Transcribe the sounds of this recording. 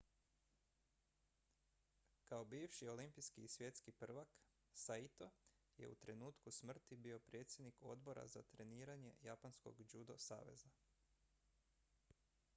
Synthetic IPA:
kao̞biːʋʃio̞limpijskiːsʋje̞t̪skipr̩ʋak | sait̪o | je̞̰ṵt̪ɾe̞nuːt̪kusmr̩t̪ibio̞pɾje̞ːt̪sʲje̞d̪niko̞d̪bo̞ɾʔa̰zat̪ɾe̞niːɾaɲe̞̰japansko̞̰ɡd͡ʒud̪o̞sa̰ːʋe̞̰za

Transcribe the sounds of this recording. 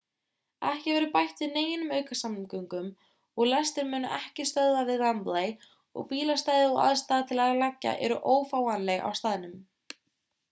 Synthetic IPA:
ɛhcɪvɛɾʏpajht̪vɪðneːjɪnʏmœɥkasammkœɥŋkʏm | ɔɣlɛst̪ɪɾmʏːnʏʔɛhcɪst̪œððavɪðlantlaj | ɔ̰ɣpiːlast̪aːjðɪɔa̰ðst̪aːðat̪ʰɪlaðalɛcːa̰ʔɛ̰ɾʏʔoːwfaːwanleɣa̰wst̪aːðɪnʏm

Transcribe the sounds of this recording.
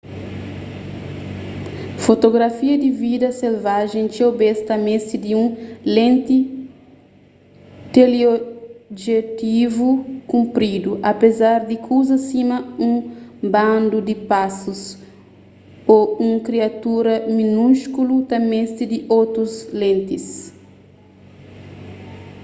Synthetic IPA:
fot̪oɡɾafiɐd̪ivid̪ɐselvaʒẽŋt͡ʃiobest̪ɐmest̪id̪iũlẽnt̪i | t̪eleoʒet̪ivukũmpɾid̪uʔɐpezaɾd̪ikʰuzɐsimɐũŋbãnd̪ud̪ipasus | oũŋkɾiat̪uɾɐmĩnuʃkulut̪ɐmest̪id̪iʔowt̪ɾuzlẽnt̪is

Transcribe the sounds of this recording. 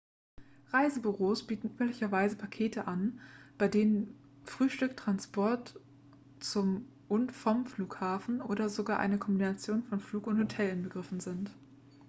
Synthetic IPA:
ʁaɪzəbyʁoːsb̥iːtn̩ʔyːplɪçɐvaɪzəpʰakʰeːtʰəʔanb̥aɪdeːnən | fʁ̥yːʃtʏktʁ̥anspʰɔɐt | t͡sʊm | ʔʊntfɔmfluːkhaːfn̩ʔoːdɐzoɡaːɐʔa̰ɪnəkʰɔmbinat͡sjoːnfɔnfluːkʊnthotʰɛlɪnbəɡʁɪfn̩zɪnt

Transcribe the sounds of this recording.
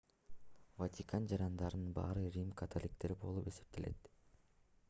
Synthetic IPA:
vat̪ʲikand͡ʒɑɾɑnd̪ɑɾɯnɯnbɑ̰ːɾɯɾʲimkʰat̪ʰolʲik̚t̪e̞ɾbo̞̰lˠupe̞se̞̥p̚t̪ele̞̰t̪

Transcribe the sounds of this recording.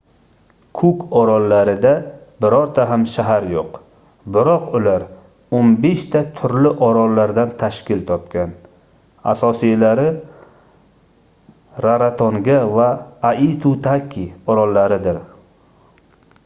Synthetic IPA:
kʰʊkɒɾɒlːaɾɪd̪abɪɾɒɾt̪ʰaɦamʃaɦaɾjoq | bɪɾɒqʊlaɾ | onbe̞ʃt̪ʰat̪ʰʊɾlɪʔɒɾɒlːaɾd̪ant̪ʰaʃkʲɪlt̪ʰɒp̚kʲan | a̰sɒsijlaɾɪ | ɾaɾat̪ʰoŋɡʲavaːit̪ʰut̪ʰakʲʰiɒɾɒlːaɾɪd̪ɪɾ

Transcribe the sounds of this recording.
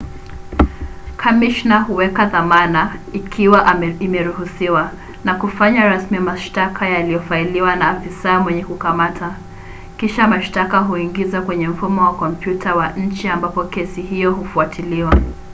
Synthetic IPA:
kʰamiʃnahuwɛkaðamanaikʰiwaimɛɾuhusiwa | nakufaɲaɾasmijamaʃtakʰajalijɔfailiwanafisaːmwɛɲɛkukamatʰa | kiʃamaʃtakaɦuiŋɡizakwɛɲɛm̩fumɔwakɔm̩pjutʰawaɲ̩t͡ʃiambapɔkɛsiɦijɔhufuatʰiliwa

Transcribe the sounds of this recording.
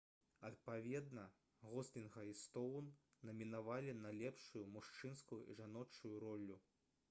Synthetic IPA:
ɐt̪̚pavʲɛd̪nɐ | ɣɔslʲinɣɐist̪ɔwnː | ɐmʲinavalʲinɐlʲɛpʂujumuʂt͡ʂɨnskujuʔḭʐanɔt͡ʂujuɾɔlʲːu

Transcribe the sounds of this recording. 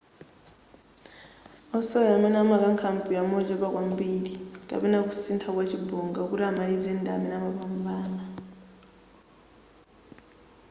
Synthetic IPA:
ɔsɔjamɛnamakaŋkʰampʼiamɔd͡ʒɛβakwambiɺikʼa̰pɛnak̬usintʰakwat͡ʃʰibɔŋɡak̬uɾamalid͡zɛndamɛnamaβambaːna

